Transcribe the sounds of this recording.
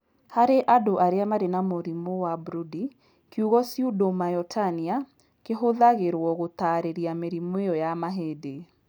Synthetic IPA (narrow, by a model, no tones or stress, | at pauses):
haɾeʔadoʔaɾeamaɾenamoɾimowabuɾudi | kiuɣɔsjudomajɔtʰania | keɦoðaɣeɾwɔɣot̪aɾeɾiameɾimoejɔjamaɦede